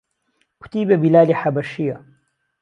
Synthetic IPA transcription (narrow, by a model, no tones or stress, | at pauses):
ku̥t̪iːbebilaːliħabɐʃijɐ